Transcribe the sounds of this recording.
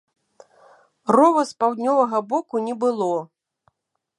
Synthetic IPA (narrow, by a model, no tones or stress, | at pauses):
rɔvɐspawd̪ʲnʲɔvɐɣɐbɔkunʲɛbɨlˠɔ